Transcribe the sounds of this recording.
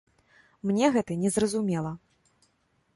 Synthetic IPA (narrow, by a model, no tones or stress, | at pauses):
mnʲɛɣɛt̪ɐnʲɛzrɐzumʲɛlˠɐ